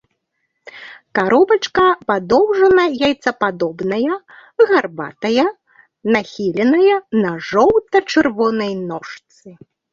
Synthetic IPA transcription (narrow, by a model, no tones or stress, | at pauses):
kaɾɔbɐt͡ʂkɐpad̪ɔwʐɐnɐjajt̪sɐpad̪ɔbnɐjɐ | ɣarba̰t̪ɐjɐ | naxʲilʲɛnɐjɐnɐʐɔwt̪ɐt͡ʂɨrvɔnɐjnɔʂt̪sɨ